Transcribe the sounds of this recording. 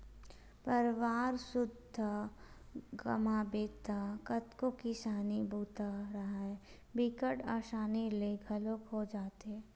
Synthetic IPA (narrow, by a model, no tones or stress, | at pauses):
pɐɾʋaːɾsʊd̪ʱə | ɡɐ̰maːbeːt̪akɐt̪kokɪsaːnibʱuːt̪aɾɐɦaɦɛ | bɪkəʈaːʃaːnileɡʱɐlokɦod͡ʒaːt̪eɦɛː